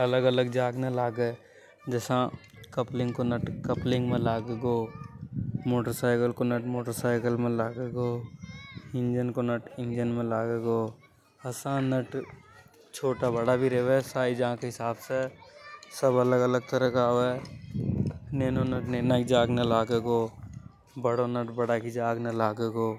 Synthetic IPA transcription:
ɐləɡələɡd͡ʒaːɡnalaːɡe | d͡ʒɛːsã | kəplɪ̃ŋɡkonəʈkəplɪ̃ŋɡmẽlaːɡeɡo | moːʈəɾsaːɪkəlkonəʈmoːʈəɾsaːɪkəlmẽlaːɡeɡoː | ɪ̃nd͡ʒənkonəʈɪ̃nd͡ʒənmẽlaːɡeɡoː | ɐsãnːəʈ | t͡ʃʰoːʈabəɽabʱiɾeʋɛsaːid͡ʒããkeɦɪsaːbse | səbələɡələɡ̚t̪əɾəkaːʋɛ | neːnonəʈneːnəkd͡ʒaːɡnɐlaːɡeːɡo | bəɽonəʈbəɽakid͡ʒaːɡnɐlaːɡeːɡoː

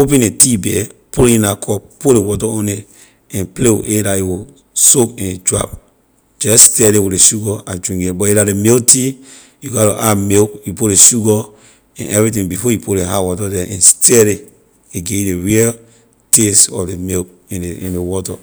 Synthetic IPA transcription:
op̬ɛ̃netibɛpulĩnakʰɔp̚pulewɔtɔõne | ɛ̃nplew̰ʔedaiwu | sokɛ̃nd͡ʒɹa̰p̚ | d͡ʒɛsstɛdewieʃuɡɔad͡ʒɹĩŋɡebɔeɾademilti | juɡaɾo̰ʔamilk̚jupuleʃuɡɔ | ɛ̰̃nʔɛvɹit̬ĩŋbifɔjipʰuleɦawɔtɔdɛʔɛ̃nstʰɛɾe | eɡedeɹil | tesɔ̰fdemilk̚ | ĩnĩnewɔtɔ

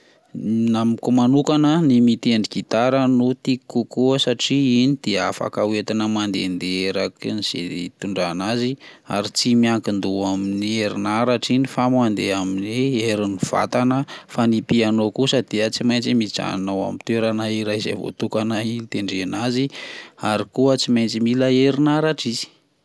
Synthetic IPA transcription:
namkumanukanənimit̪eɳɖ͡ʐiɡit̪aɾənut̪ikːukuəsaʈ͡ʂiinid̪̥eafa̰kawet̪inəmand̪ḛnd̪eeɾakiniz̥ḛt̪uɳɖ͡ʐanazi | a̰ɾit͡simiaŋkind̪uaminieɾinaɾaʈ͡ʂinifamand̪eaminieɾiniv̥a̰t̪anəfanipianokusəd̪eət͡simajnt͡simit͡sa̰nawa̰mint̪weɾanaiɾaizḛvo̰t̪ukanailit̪eɳɖ͡ʐenaziaɾikuət͡simajnt͡similaeɾinaɾaʈ͡ʂizi̥

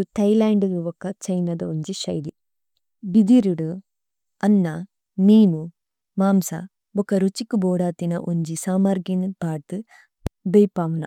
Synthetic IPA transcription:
t̪ɐjlaːɳɖɨɡuʋɔkːɐt͡ʃɐjnɐd̪ɐuɲd͡ʒiʃɐjd̪i | bid̪iɾuɽu | ɐnːɐ | niːmu | maːmsɐ̰ | bɔkːɐɾut͡ʃikːuboːɽaːt̪inɐʔuɲd͡ʒisaːmɐɾɡinbʱaːt̪ɨ | bejpaːʋunɐ

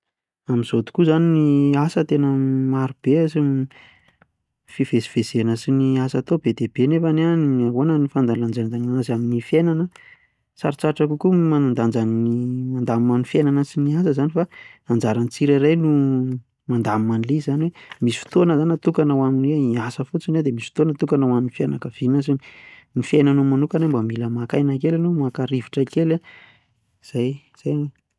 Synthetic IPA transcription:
amiz̥ot̪u̥kuzaniniasət̪enəmaɾub̥esi | fiv̥esi̥v̥ez̥enəsiniasat̪obed̪eb̥enefananaɦonənifand̪aland͡zanad̪anaanazaminifjenanə | saɾit͡saʈ͡ʂakukumanand̪and͡zannimand̪ammanifjenanəsiniasəzanifaand͡zaɾant͡siɾaɾajnu | mand̪amimanlizaniwemisi̥fi̥t̪onəzanat̪ukanawaminweiasəfut͡sinad̪emisi̥fit̪onət̪ukanawaminifianakəv̥inasinnifenanumanukanambamiləmakajnakelanomakaɾiviʈ͡ʂakela | z̥aj | z̥aj

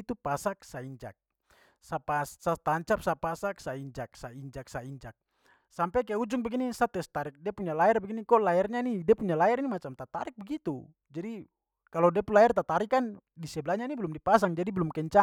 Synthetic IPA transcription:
t̪upasak̚saiɲd͡ʒa̰k̚ | sapasat̪aɲt͡ʃap̚sapasak̚saiɲd͡ʒak̚saiɲd͡ʒak̚saiɲd͡ʒak̚ | sampɛkajɛud͡ʒuŋbɛɡinisat̪ɛst̪aɾik̚diapuɲalaɛrbɛɡinikɔlaɛrɲanidiapuɲalaɛɾinimat͡ʃamt̪at̪a̰ɾik̚bɛɡit̪u | d͡ʒadi | kalodiapunlaɛrt̪at̪aɾikan | disɛblaɲanibɛlumdipas̬aŋd͡ʒadibɛlumkɛɲt͡ʃa

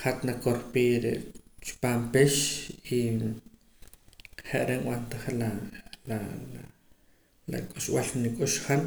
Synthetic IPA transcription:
χat̪nakoɾpiːɾeʔt͡ʃu̥paːmpeʃi | χeʔɾenwant̪aχelala | la̰kʼuʃwalnikʼuʃχan

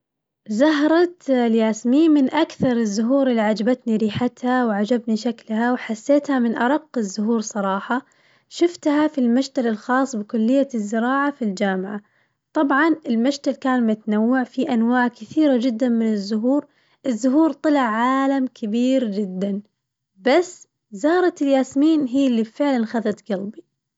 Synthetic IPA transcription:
zaɦɾˤɑt̪ljaːsmimɪnʔakθɑɾˤɪzːʊɦuːɾɪlːiʕad͡ʒabat̪niɾiːħat̪hawʕad͡ʒabniʃaklhawħasːeːt̪hamɪnʔɑɾˤɑqːɪzːʊɦuːɾsˤɑɾˤɑːħɑ | ʃɪft̪hafilmaʃt̪alɪlxɑːsˤbɪkʊlːɪjːazːɪɾɑːʕafild͡ʒaːmɪʕa | t̪ˤɑbʕɑnɪlmaʃt̪alkaːnmʊt̪anawːaʕfiʔanwaːʕkɪθiːɾad͡ʒɪd̪ːanmɪnɪzːʊɦuːɾ | ʔɪzːʊɦuːɾt̪ˤɨlɪʕːaːlamkʰɪbiːɾd͡ʒɪd̪ːan | basː | zɑːɾˤɑt̪ɪljaːsmiːnɦiːɪlːibfɪʕlanxaðat̪ɡɑlbi

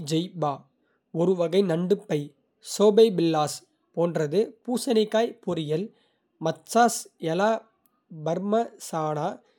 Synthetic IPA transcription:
d͡ʒɛjbaː | ɔɾɯʋɐɣɐɪnɐɳɖɯpːɐɪ | soːbɐɪbɪlːaːs | poːndrɐðɯpuːsɐnɪkːaːjpɔɾɪjɐl | mɐt͡ʃːaːsɛlaː | bɐɾmɐsaːnaː

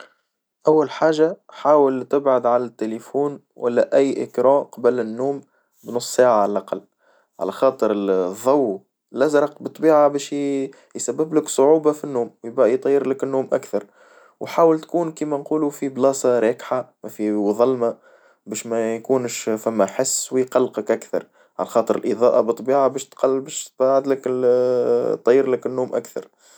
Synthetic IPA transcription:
ʔæwːælħaːʒaħaːwəlt̪ɪbʕad̪ʕalæt̪ːelefuːn | wʔæ̰lːæʔæjːʔɪ̰kɾɑ̃ːqɑbəlɪnːuːm | bnʊsˤːsaːʕaʕalʔaqɑlː | ʕa̰læxɑːt̪ˤəɾðˤːɑwː | lʔæzɾˤɑqbɨt̪ˤːbiːʕabæːʃ | jsæbːɪblɪksˤʊʕuːbafinːuːmwjɪbæʔjt̪ˤɑjːɪɾlɪkɪnːuːmʔakθɑɾˤ | wħaːwəlt̪kuːnkiːmænquːlufiblɑːsɑɾɛːkħamæfiwðˤɑlma | bɛːʃmæjkuːnʃfæmːæħɪsːwjqɑlːqəkʔakθɑ̰ɾˤ | ʕa̰læxɑːt̪ˤəɾɪlʔəðˤɑ̰ːʔabɨt̪ˤːbiːʕabæːʃt̪qɑlbɛʃt̪baʕɪd̪lək | t̪ˤːɑjːɪɾləkɪnːuːmʔa̰kθɑ̰ɾˤ

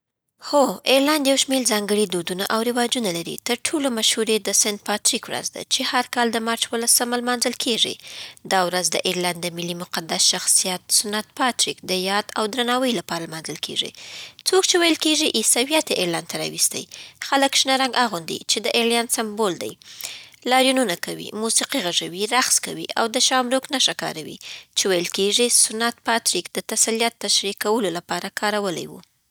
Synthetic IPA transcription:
xoeɾland̪jawʃmeɾzɑŋɡəɽid̪od̪unaʔawɾɪwɑd͡ʒunalaɾḭt̪əɾʈʰolomaʃhuɾed̪əsɪnd̪̚pɑt̪ɾikwɾa̰zd̪a̰t͡ʃehaɾkɑld̪əmɑɾt͡ʃwəlasəmalmɑnzəlkʰeʐḭd̪ɑwɾazd̪əʔiɾland̪ːəmɪlimʊqad̪asʃaxsijat̪̚sʊnat̪pɑt̪ɾikd̪əjɑd̪awd̪ɾanɑwəjlapɑɾalmɑnzəlkʰḛʐḭt͡sok̚t͡ʃewajəlkeʐiʔisawijat̪eʔeɾlant̪aɾɑ̰wist̪a̰jxaləkʃnaɾaŋɡaɣund̪ḭt͡ʃed̪əʔeɾljɑnsambold̪a̰jlɑɾjununakawḭmusiqiɣaʐawiɾaxskawḭʔa̰wd̪əʃɑmɾoknaʃakɑ̰ɾawḭt͡ʃewajəlkeʐisʊnat̪̚pɑt̪ɾikd̪ət̪asalijat̪ːaʃɾikawəlolapɑɾakʰɑɾawəla̰jwṵ

